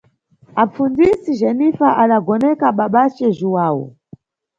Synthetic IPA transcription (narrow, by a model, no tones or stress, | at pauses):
ap͡fund͡zisiʒɛnifaʔaɗaɡɔnɛkaɓaɓat͡ʃɛʒiwaːwɔ̰